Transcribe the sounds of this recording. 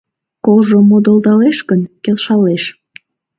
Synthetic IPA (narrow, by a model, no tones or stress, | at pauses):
kolʒomod̪old̪ɑleʃkənkelʃɑleʃ